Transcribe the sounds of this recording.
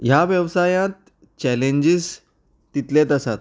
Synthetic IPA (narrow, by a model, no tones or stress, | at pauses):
jaʋjəʋsajãt̪̚ | t͡ɕɛlẽɲd͡ʑis | t̪ːit̪lẽt̪asat̪̚